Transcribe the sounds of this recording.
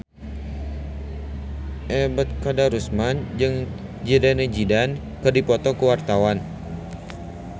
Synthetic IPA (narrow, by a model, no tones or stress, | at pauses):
ʔɛbət̪̚kadaɾusmand͡ʒəŋ | d͡ʒidanəd͡ʒidan | kɨrdipɔt̪ɔkəwart̪awan